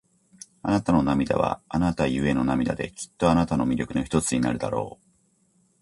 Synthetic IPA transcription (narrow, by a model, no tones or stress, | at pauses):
anat̪ano̞namʲid̪a̰βa̰anat̪aiɯ̟e̞no̞namʲid̪a̰d̪e̞̰kʲi̥t̪ːo̞anat̪ano̞mʲiɾʲo̞kɯ̟no̞çi̥t̪o̞t͡sɨɲ̟inaɾɯ̟d̪aɾo̞̰ː